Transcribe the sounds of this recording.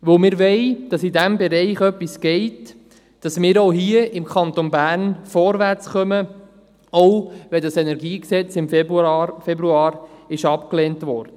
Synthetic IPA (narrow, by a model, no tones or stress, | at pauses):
ʋɵlmɪːɾʋɛɪd̥ɑsidæmbɛɾɛɪχœpːisɡ̥ɛɪt | d̥ɑsmɪːɾoʊɦiəɪmkʰɑnt̪onbæːɾnfɔɾʋæɾt͡sχœmə | oʊʋɛdɑsɛnɛɾɡiːksɛt͡sɪmffɛbɾuɑːɾɪʃɑpkleːntʋɔːɾd̥ə